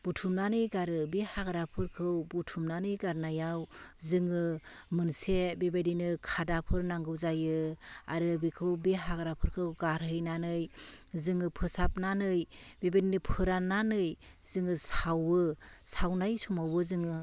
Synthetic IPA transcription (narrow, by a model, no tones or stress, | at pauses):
b̥utʰumnanɯjɡaɾɯbihaɡaɾapʰɯɾkʰɯwbutʰumnanɯjɡaɾnajawzɯŋɯmɯnsebebadinɯkʰadapʰɯɾnaŋɡɯwzajɯa̰ɾɯbikʰɯwbiɦaɡɾapʰɯɾkʰɯwɡaɾɦɯjnanɯjzɯŋɯpʰɯsap̚nanɯjbebadinɯpʰɯɾanːanɯj | zɯŋɯsawɯsawnajsumawɯzɯŋɯ